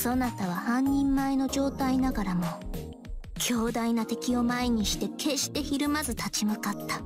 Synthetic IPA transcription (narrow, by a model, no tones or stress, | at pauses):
so̞nat̪aβ̞ahãɲ̟ːĩmːaeno̞d͡ʑo̞ːt̪ainaɡaɾamo̞ | kʲʰo̞ːd̪ainat̪e̞kʲio̞maiɲ̟iɕi̥t̪e̞kʰe̞ɕi̥t̪e̞çiɾɯ̟mazɨt̪at͡ɕimɯkat̪ːḁ